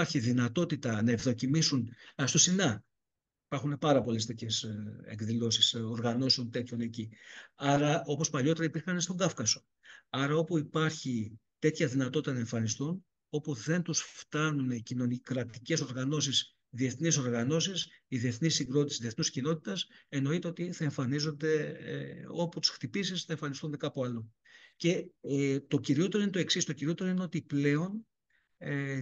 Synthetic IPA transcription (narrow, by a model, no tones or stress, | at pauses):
ɐɾçiðinɐt̪o̞t̪it̪ɐnɐevðo̞cimisunst̪osinɐ | ipɐɾxune̞pɐɾɐpo̞lest̪e̞t̪çesḛkðilo̞sisoɾɣɐno̞seont̪e̞t̪çone̞ciɐɾɐo̞po̞spɐʎo̞t̪e̞ɾɐipiɾxɐnst̪o̞ŋɡɐfkɐso | ɐɾɐo̞puipɐɾçit̪e̞t̪çɐðinɐt̪o̞t̪i̥t̪ɐnɐe̞ɱfɐnist̪un | o̞puðe̞nt̪usft̪ɐnuncino̞nikɾɐt̪ice̞so̞ɾɣɐno̞s̬is | ðie̞θniso̞ɾɣɐno̞sisiðie̞θnisːiŋɡɾo̞t̪isiðieθnuscino̞t̪i̥t̪ɐse̞no̞it̪e̞o̞t̪iθɐe̞ɱfɐnizo̞nd̪e̞̰ | o̞put̪u̥sxt̪ipisisθɐeɱfɐnist̪und̪ekɐpuɐlu | ce̞t̪o̞ciɾio̞t̪e̞ɾ̞inet̪o̞e̞ksist̪ociɾio̞t̪e̞ɾoineo̞t̪iple̞o̞n | e